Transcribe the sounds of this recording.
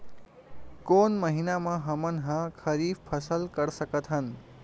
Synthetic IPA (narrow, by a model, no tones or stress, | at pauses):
konmʌɦinamaɦʌmʌnɦʌ̃kʰʌɾibpʰʌsʌlkʌɾsʌkʌt̪ʰɦʌn